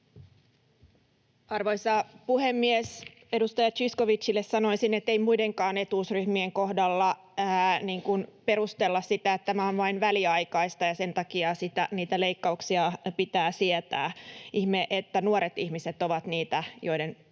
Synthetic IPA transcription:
ɑrʋoisɑpuhemːiɛs | e̞dust̪ɑjɑt͡ʃiskoʋit͡ʃːilːessɑno̞isinet̪ːeimuideŋkɑːne̞t̪uːsryhmieŋkohdɑlːɑ | æniːŋkunpeɾust̪elːɑssit̪æet̪t̪ːæmæonʋɑinʋæliɑjkɑist̪ɑjɑse̞nt̪ɑkiɑsit̪æniːt̪æleikːɑuksiɑpit̪æːsiɛt̪æ̰ːʔihmeʔet̪ːænuoɾet̪ihmiset̪oʋɑt̪niːt̪æjo̞iden

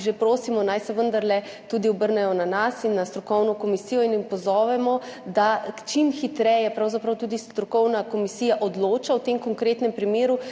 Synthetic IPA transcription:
ʒepɾoːsimɔnajsɛʋənd̪aɾlɛ | t̪uːd̪iɔbəɾnɛjɔnanasinːast̪ɾɔkɔwnɔkomisijɔinimpɔzɔːʋɛmɔd̪at͡ʃimxit̪ɾɛjɛpɾawzapɾawt̪uːd̪ist̪ɾɔkɔwnakomisijaʔɔd̪loːt͡ʃawt̪emkɔŋkɾet̪nɛmpɾimeːɾu

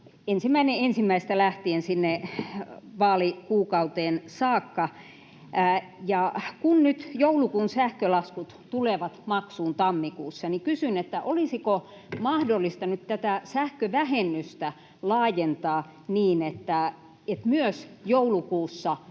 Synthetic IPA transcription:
ensimːæineensimːæist̪ælæht̪iensinːe | ʋɑːlikuːkɑut̪eːnsɑːkːɑ | jɑkunnyt̪joulukuːnsæhkølɑskut̪t̪uleʋɑt̪mɑksuːnt̪ɑmːikuːsːɑnikysynet̪ːæʔolisiko | mɑhdolːˑist̪ɑnyt̪t̪æt̪æsæhkøʋæhenːyst̪æ | lɑːjent̪ɑː | niːnet̪ːæ | et̪myøsjoulukuːsːɑ

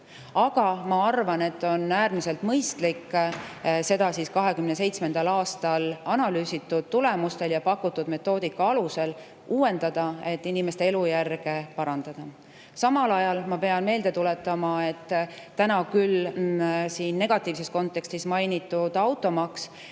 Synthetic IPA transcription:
ɑɡ̥ɑmɑɑrvɑne̞t̪ːˑo̞næːɾmise̞lt̪mɤjst̪likː | se̞d̪ɑsiːskɑɦe̞kymne̞se̞jt̪sme̞nd̪̥ɑlɑːst̪ɑlɑnɑlyːsit̪ːud̪̥̚t̪ːule̞must̪e̞ljɑpɑkːˑut̪ːud̪me̞t̪ːˑo̞ːd̪ikːɑɑluse̞l | uːwe̞nd̪̥ɑd̪̥ɑe̞t̪ˑːinime̞st̪ee̞lujærɡ̥e̞pɑɾɑnd̪̥ɑd̪̥ɑ | sɑmɑlɑjɑlmɑpe̞ɑnme̞ːld̪̥e̞t̪ule̞t̪ːˑɑmɑe̞t̪ːænɑkyl | siːnːe̞ɡ̥ɑt̪ːˑiːvse̞sko̞nt̪ːˑe̞kst̪ismɑjnit̪ːˑud̪̥ɑwt̪ːˑo̞mɑks

